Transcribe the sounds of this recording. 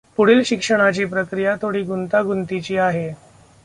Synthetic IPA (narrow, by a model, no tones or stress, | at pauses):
puɽiːlɕikʂəɽ̃at͡ɕiːpɾəkɾijat̪ʰoɽiːɡunt̪aɡunt̪it͡ɕiːaɦe